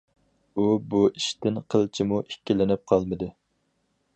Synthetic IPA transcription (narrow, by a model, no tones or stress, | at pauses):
ubuiʃt̪ɪnqʰəlˠt͡ʃʰimuʔikʲːilɪnɪp̚qʰɑlˠmɨd̪ɨ